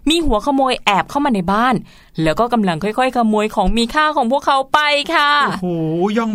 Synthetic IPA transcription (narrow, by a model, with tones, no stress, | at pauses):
miː˧hu˨˩˦ɐkʰa˧moː˧jʔɛː˨˩p̚kʰa˥˩wmaː˧na˧jbaː˥˩n | lɛː˦˥wkɔː˥˩ka˧mla˧ŋkʰɔ˥˩jkʰɔ˥˩jkʰa˧moː˧jkʰɔː˩˦ŋmiː˧kʰaː˥˩kʰɔː˩˦ŋpʰu˥˩əkʰːa˩˨˦wpa˧jkʰa˥˩hoː˨˩˦jɔ˥˩ŋ